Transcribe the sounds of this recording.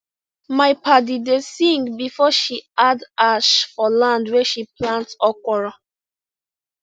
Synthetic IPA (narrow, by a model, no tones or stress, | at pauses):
maɪpadidesĩŋɡbifɔʃiadaʃfɔlãndwɛʃiplãntɔkʷɔɹa